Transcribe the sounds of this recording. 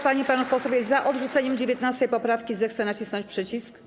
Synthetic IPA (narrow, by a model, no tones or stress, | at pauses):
paɲipanufpɔsɔbʲjɛzaʔɔd̪ʐut̪sɛɲɛmd͡ʑɛvʲjɛt̪nast̪ɛjpɔpɾafkʲizɛxt̪sɛnat͡ɕisnɔɲt͡ɕʲpʂɛt͡ɕisk